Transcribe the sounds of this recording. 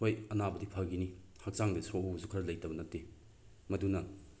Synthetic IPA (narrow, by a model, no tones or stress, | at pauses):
ojɐnabɐdipʰɐɡini | hɐk̚saŋdɐsobɐzukʰɐɾlɐjtɐbɐnɐtːe | mɐdunɐ